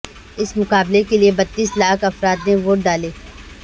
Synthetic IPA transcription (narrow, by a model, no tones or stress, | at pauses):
ɪsmʊkaːblekeliebɐt̪ːiːslaːkʰɐfɾaːd̪neʋoːʈɖaːleː